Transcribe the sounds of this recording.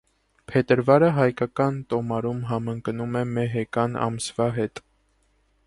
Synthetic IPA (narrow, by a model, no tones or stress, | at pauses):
pʰɛt̪əɾvɑɾəɦɑjkɑkɑnt̪ɔmɑɾumɦɑməŋknumɛmɛɦɛkɑnɑ̰msvɑɦɛt̪